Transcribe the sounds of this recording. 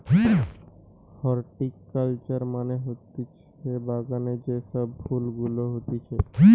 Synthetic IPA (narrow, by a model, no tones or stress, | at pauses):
hɔɾʈikːəlt͡ʃəɾmaneɦot̪it͡ʃʰ | ebaɡaned͡ʒesəbpulɡuloɦot̪it͡ʃʰe